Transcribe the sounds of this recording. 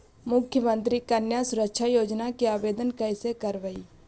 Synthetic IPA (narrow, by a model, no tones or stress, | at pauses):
mʊkʰːjəmə̃nt̪ɾikənjasʊɾəkʃʰajoːd͡ʒnakiaːʋeːd̪ənkəɪsekəɾʋəiː